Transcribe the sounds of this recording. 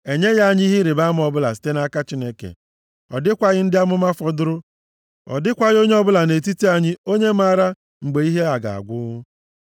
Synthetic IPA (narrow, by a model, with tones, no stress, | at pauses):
e˨ɲe˦ɣa˦ɲi˦ɦi˦ɾɪ˨ba˦m˦ɔ˨bʊ˦la̰˨si̥˦te˦na˦ka˦t͡ʃi˦ne˦kḛ˨ | ɔ̰˨dɪ˦kʷa˨ɣɪ˦n̩˦dɪ˦a˦mʊ˦ma˦fɔ˦dʊ˦ɾʊ˦ | ɔ̰˨dɪ˦kʷa˦ɣo˦ɲe˦ɔ˦bʊ˦la˨ne˨t̬i˦ti˦a˦ɲɪ˦o˦ɲe˦ma˦ɾa˦ | ŋ͡m̩˨ɡ͡be˨i˦ɦe˦a˨ɡa̰˨a̰˨ɡʷʊ˦